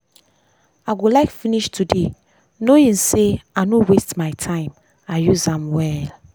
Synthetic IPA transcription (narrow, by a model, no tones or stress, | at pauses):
aɡolaɪkfiniʃtʰude | noĩnseanowestmaɪtʰãɪ̃m | ajuzãmwɛl